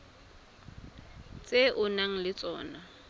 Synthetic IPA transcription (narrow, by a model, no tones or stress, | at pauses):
t͡sʼeʔʊnaŋ̩lɪt͡sʼɔːna